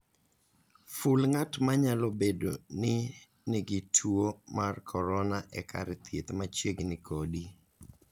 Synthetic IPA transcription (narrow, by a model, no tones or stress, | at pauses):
fulŋatmaɲalɔbedonɪ | nɪɡɪtʰwuomarkʰɔɾɔnaʔɛ̰kʰa̰ɾɛt̪jet̪mat͡ʃeɡnɪkodi